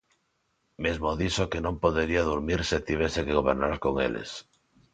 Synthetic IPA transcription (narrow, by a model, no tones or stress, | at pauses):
mezmoðisokenõmpoðeɾiaðuɾmiɾset̪iβ̞esekeɣ̞oβ̞eɾnaɾkoŋḛlʔḛs